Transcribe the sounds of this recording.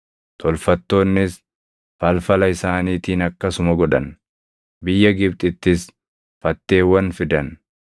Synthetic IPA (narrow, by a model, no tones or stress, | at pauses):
t̪ʼɔlfɐt̪ːo̞ːnːɪs | fɐlfɐlɐɪsaːniːt̪iːnɐkːɐsʊmɐɡɔᶑɐn | bɪjːɐɡɪbt̪ʼɪt̪ːɪs | fɐt̪ːe̞ːwːɐnfɪd̪ɐn